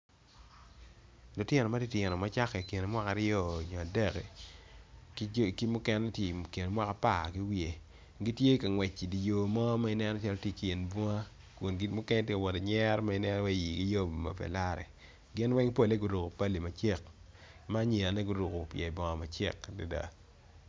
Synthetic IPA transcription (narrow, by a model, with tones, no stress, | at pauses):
lo˨tje˦nɔ˨ma˦di˦tje˨nɔ˨ma˦t͡ʃa˦kɛ˨ke˨ne˨mwa˦ka˨ɾɪɔ˦˨ɲɔ˨a˨dɛ˦kɛ˨ | kki˦mʊ˦kɛ˦n˦tki˨ne˨mwa˦ka˨pa˦˨ki˦wje˨ | ɡi˦tje˦ka˨ŋwɛ˨t͡ʃːi˨di˨jo˨mɔ˦ma˦i˦nɛ˦nɔ˦t͡ʃa˦ɾɔ˦tje˦˨kje˨nbɔ˦ŋa˦ | ku˨nɡi˦mʊ˦kɛ˦n˦te˦ka˨wɔ˨de˨ɲɛ˦ɾma˦i˦nɛ˦n˦wɛ˦˨ji˨ɡi˦jo˦m˨ma̰˨pɛ̰˨la˦ɾɛ̰˨ | ɡɪ˦nwɛ˦ŋpo˦le˦ɡu˨ɾu˨ko˨pa˦li˨ma˨t͡ʃe˦k̚ | ma˦ɲe˨a˨ne˦ɡu˦ɾu˨ko˨pjɛ˨bɔ˨ŋa˨ma˨t͡ʃḛ˦˨kda˨da̰˨